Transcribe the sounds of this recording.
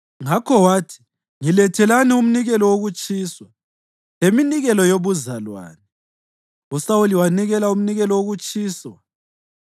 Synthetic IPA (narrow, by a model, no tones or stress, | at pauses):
ŋakʰɔwaːtʰi̥ | ŋilɛtʰɛlanium̩niɣɛlɔwoɣut͡ʃʼiːswa | eminiɣɛlɔjoβuzalwa̰ːnɛ | usawuliwaniɣɛlaum̩niɣɛlɔwoɣut͡ʃʼiːswa